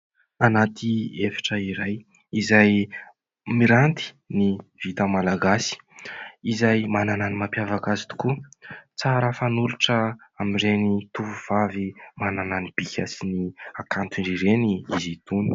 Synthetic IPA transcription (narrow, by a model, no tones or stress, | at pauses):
anat̪ʰiefi̥ʈ͡ʂəiɾaj | izaj | miɾant̪i̥ | niv̥it̪amalaɡasi̥izajmanananimapjavakazi̥t̪u̥kut͡saɾəfanuluʈ͡ʂəamiɳɖ͡ʐenit̪uvuv̥avimanananib̥ikʲasiniakant̪iɳɖ͡ʐiɾeniizit̪uni̥